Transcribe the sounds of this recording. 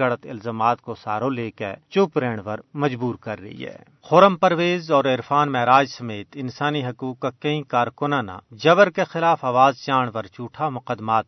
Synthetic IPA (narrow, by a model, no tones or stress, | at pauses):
ɐɽət̪ɪ̰lzaːmaːt̪kosaːɾõleːkḛt͡ʃʊːpɾẽːɽ̃ʋɐɾmɐd͡ʒbuːɾkɐɾːɐ̰ɦḭɦɛ̰ː | xoːɾəmpɐɾʋeːzɔːɾeɾfaːnmɛːɾaːd͡ʒsɐmeːt̪ɪnsaːniɦɐkuːkkakɐɦĩkaːɾkʊnãːna̰d͡ʒɐbəɾkexɪlaːfaːʋaːzt͡ʃaːɽ̃ʋɐɾt͡ʃuːʈʰamʊqəd̪ːmaːt̪